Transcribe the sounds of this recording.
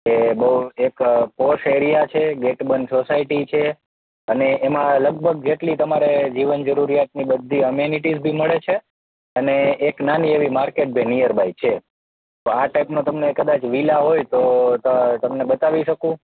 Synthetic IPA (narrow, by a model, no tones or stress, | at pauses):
kebəuekpoʃeɾijat͡ʃʰeɡeʈbənsosaiʈit͡ʃʰe | əneʔːmãləɡ̚bʱəɡ̚d͡ʒeʈlit̪əmaɾed͡ʒiʋənd͡ʒəɾuɾijat̪̚nibəd̪ʱːiəmjuniʈizbʱiməɭet͡ʃʰe | əneːknanieʋimaɾkeʈ̚bʱenijəɾbʱait͡ʃʰe | t̪oaʈaipnõt̪əmnekəd̪at͡ʃʋilaɦojt̪ot̪t̪əmnebət̪aʋiʃəkũ